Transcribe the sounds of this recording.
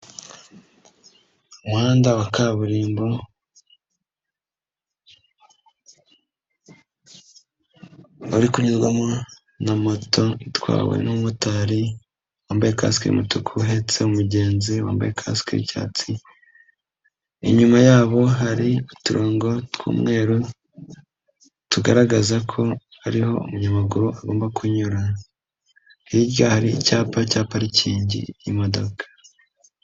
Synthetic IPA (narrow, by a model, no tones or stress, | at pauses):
umwaːndawakaβuɾiːmbo | oɾikuɲizɡwamo | namo̞to̞itwa̰ːwḛnumutaɾi | waːmbajeka̰si̥kiɾḭmutukʰuɦe̞t͡se̞umuɟe̞ːnziwa̰ːmba̰jekʰa̰skiɾḭca̰ːt͡si | ḭɲumajaːβo̞ɦaɾiutuɾoːŋɡo̞tkʰṵːmŋe̞ːɾu | tuɡaɾaɡazakʰo̞ | haɾiho̞̰ṵmuɲamuɡuɾuaɡoːmbakʰuɲuɾa | hiɟɡahaɾicaːpacaːpaɾiciːɲɟḭjimo̞do̞kḁ